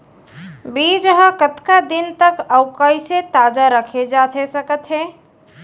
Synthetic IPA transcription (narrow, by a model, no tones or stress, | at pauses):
bid͡ʒɦəkət̪kad̪int̪əkəʊkəjset̪ad͡ʒaɾəkʰed͡ʒatʰesəkət̪ɦe